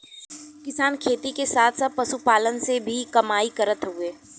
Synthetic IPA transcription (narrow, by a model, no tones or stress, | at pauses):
kɪsaːnkʰeːt̪ikesaːt̪ʰsaːt̪̚pɐʃupaːlənsebʱikɐmaːikɐɾət̪ɦueː